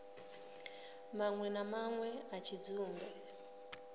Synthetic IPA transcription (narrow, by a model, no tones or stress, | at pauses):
maŋwɛnamaŋwɛat͡ʃʰid͡zuːmbɛ